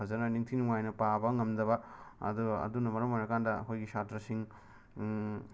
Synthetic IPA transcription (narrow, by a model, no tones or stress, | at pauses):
ɐzɐnɐniŋtʰinuŋajnɐpabɐŋɐmdɐβɐɐ̰d̪uɡɐɐ̰dunːɐmɐɾɐmojɾɐkandɐɐ̰kʰojɡisatɾɐsiŋ